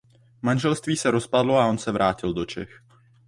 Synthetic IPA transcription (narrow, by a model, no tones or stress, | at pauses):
manʒɛlst̪viːsɛɾo̞spadlo̞ao̞nsɛvɾʔaːcɪldo̞t͡ʃɛx